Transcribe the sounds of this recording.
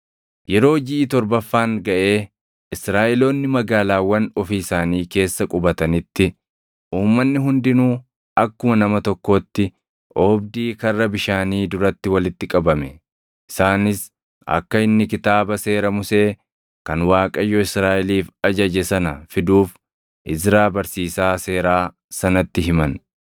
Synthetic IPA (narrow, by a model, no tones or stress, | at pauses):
jɛɾo̞ːd͡ʒɪʔɪt̪ɔɾbɐfːaːŋɡɐʔe̞ː | ɪsɾaːʔɪlo̞ːnːɪmɐɡaːlaːwːɐnɔfiːsaːniːke̞ːsːɐkʼʊbɐt̪ɐnɪt̪ːɪ | ʔuːmːɐnːɪɦʊnd̪ɪnuː | ʔɐkːʊmɐnɐmɐt̪ɔkːo̞ːt̪ːɪ | ʔoːbd̪iːkɐrːɐbɪʃaːniːd̪ʊɾɐt̪ːɪwɐlɪt̪ːɪkʼɐbɐmɛ | ɪsaːnɪs | ɐ̰kːɐɪnːɪkɪt̪aːbɐse̞ːɾɐmʊse̞ː | kɐnwaːkʼɐjːɔɪsɾaːʔɛliːfɐd͡ʒɐd͡ʒɛsɐnɐfɪd̪uːf | ʔɪzɾaːbɐɾsiːsaːse̞ːɾaː | sɐnɐt̪ːɪɦɪmɐn